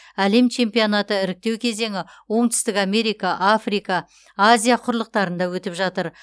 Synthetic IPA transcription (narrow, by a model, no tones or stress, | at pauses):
æle̞mt͡ʃʰe̞mpijo̞nat̪əɪɾɪk̚t̪e̞wkʲʰe̞ze̞ŋɪ | wo̞mt̪ʏ̥st̪ɪkame̞ɾijkɑʔafrijkɑ | azʲijaqʰʊɾlˠəq̚t̪ɑɾənd̪ɑwɵt̪ɪpʒɑt̪əɾ